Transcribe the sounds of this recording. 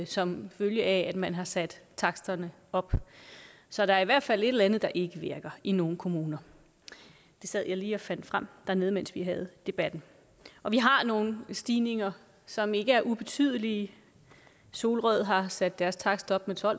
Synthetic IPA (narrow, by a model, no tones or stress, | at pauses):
sɒ̽mføljəʔææd̥mænɦɑ̈sæd̥t͡sʰɑ̈ɡ̥sd̥ɐnə | ɒ̽b̥ | sɒ̽ɾ̥ɑ̈æɐiʋæɐd̥fæl̰e̝̥elænð̩ˠd̥ɑ̈ʔe̝ɡ̥əʋe̝ɐɡ̥ɐino̝ːn̩kʰo̝muːnɐ | d̥e̝sæð̰ˠjɑ̈ɪliːɒ̽fæn̰d̥fʁam̰d̥æɐne̝ð̞̩ˠmensʋiɦæð̞̩ˠd̥e̝b̥æd̥n̩ | ʔɒ̽ʋiɦɑ̈no̝ːn̩sd̥iːne̝ŋɐ | sɒ̽me̝ɡ̥əæɐʔub̥e̝t͡sʰyð̞̰ˠli | so̝ːlʁœð̞̰ˠɦɑ̈sæd̥ːæɐst͡sʰɑ̈ɡ̥sd̥ɒ̽b̥met͡sʰɒ̽l̰